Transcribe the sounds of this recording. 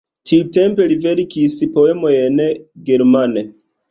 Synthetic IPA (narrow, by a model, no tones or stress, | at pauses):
tʰiute̞mpe̞liveɾikispo̞e̞mojenɡe̞ɾmane